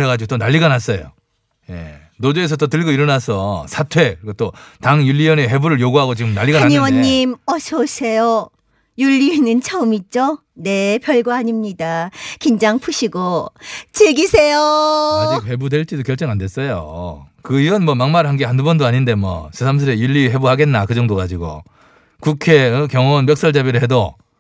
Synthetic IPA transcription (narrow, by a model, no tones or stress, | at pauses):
eɡad͡ʑiɡot͈onaʎːiɡanɦas͈ʌjo̰ | je̞̰ | nodoes̬ʰʌt͈otɯɭɡoiɾʌnasʰʌsʰatʰwe̞kɯɾikʰot͈otaŋjuʎːiʌneɸe̞buɾɯɭjoɡuɦaɡot͡ɕiɡɯmnaʎːiɡaaɲiwʌɲːimʌsʰʌsʰejo | juʎːienɯnt͡ɕʰaumit̚t͡ɕ͈o | ne̞pjʌɭɡwaɦaɲimɲidakind͡ʑaŋpʰuɕʰiɡot͡ɕiɭɡisʰejoik̚hebudwe̞ɭt͡ɕ͈idokjʌɭt͡ɕ͈ʌŋande̞s͈ʌjo̰kɯiʌnmwʌmaŋmaɾɯɭɦanɡehandubʌndoaɲinde̞mwʌ̰sʰesʰams̬ʰɯɾejuʎːiɦe̞buɦaɡe̞nːakɯd͡ʑʌŋdoɡad͡ʑiɡo̰ | kukʰekjʌŋʌnmjʌk̚s͈ʌɭd͡ʑabiɾɯɭɦe̞do